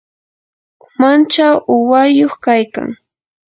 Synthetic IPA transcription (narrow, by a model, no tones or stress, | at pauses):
ʊmant͡ʃawʊwajoχkajka̰ŋ